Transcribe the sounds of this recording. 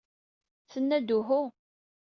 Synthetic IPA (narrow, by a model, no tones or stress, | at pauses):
t͡sənːæd̪uɦʊ